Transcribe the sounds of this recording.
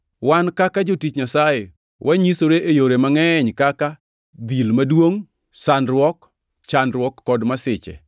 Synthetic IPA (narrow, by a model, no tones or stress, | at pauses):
wankakad͡ʒotit͡ʃɲasaje | wʔaɲisoɾeʔejoɾemaŋɛɲkaka | d̪ilmadwoŋ | sanɾwɔk | t͡ʃanɾwɔkːɔdmasɪt͡ʃɛ̰